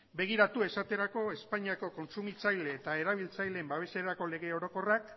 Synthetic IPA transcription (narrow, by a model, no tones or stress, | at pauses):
be̞ɣ̞iɾat̪ue̞sat̪e̞ɾako̞e̞spaɲiako̞ko̞nsumit͡sajle̞ːt̪ae̞ɾaβ̞ilt͡sajleembaβ̞e̞se̞ɾako̞le̞ɣ̞e̞o̞ɾo̞ko̞rak